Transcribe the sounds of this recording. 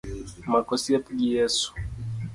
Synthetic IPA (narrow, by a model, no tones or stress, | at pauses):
makɔsiapuɡijɛsu̥